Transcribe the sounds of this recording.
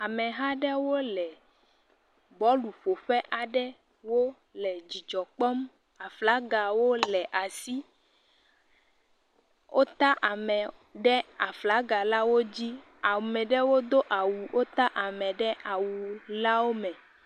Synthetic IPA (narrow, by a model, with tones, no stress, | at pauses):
a˨mɛ̃˨ɦã˦ɖɛ˦wo˦lɛ˨ | bɔ˨˦lu˨ɸo˨ɸɛ˦ʔa˨ɖɛ˦ | wo˦ | lɛ˨d͡ʑi˨d͡ʒɔ˨k͡pɔ˦m | a˨fla˨˦ɡa˨wo˦lɛ˨ʔa˨si˦ | wʔo˦t̪a˦ʔa˨mɛ˨ɖɛ˦a˨fla˨˦ɡa˨la˦wo˦d͡ʑi˦ | a˨mɛ̃˨ɖɛ˦wo˦d̪o˦ʔa˨wu˨wʔo˦t̪a˦ʔa˨mɛ̃˨ɖɛ˦a˨wu˨la˦wo˦mɛ̃˨